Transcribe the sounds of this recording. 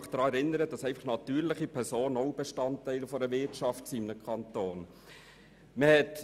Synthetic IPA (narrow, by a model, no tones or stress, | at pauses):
χd̥ɾɑːɛɾɪnːəɾəd̥ɑsɛɪfɑχnɑtyːɾlɪχipʰɛɾsoːnəoʊb̥eʃtɑntːæɪlfɔɾəvɪtʃɑftsiɪmnəkʰɑntoːn | məhɛt